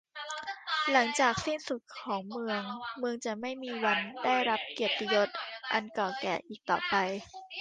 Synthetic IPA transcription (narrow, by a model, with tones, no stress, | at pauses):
la˩˦ŋt͡ɕaː˨˩k̚si˥˩nsu˨˩t̪̚kkʰɔː˩˦ŋmɯ˧əŋmɯ˧əŋt͡ɕa˨˩ma˥˩jmiː˧wa˧ndaː˥˩jɾa˦˥p̚ki˨˩ət̪ːi˧jo˦˥t̪̚ʔa˧nkɔː˨˩kɛ̰ː˨˩ʔiː˨˩k̚t̪ɔː˨˩pa˧j